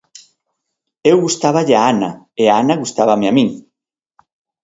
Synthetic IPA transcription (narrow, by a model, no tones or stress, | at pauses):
ewɣust̪aβaʎaanɐ̰eaanaɣust̪aβɐmeamĩŋ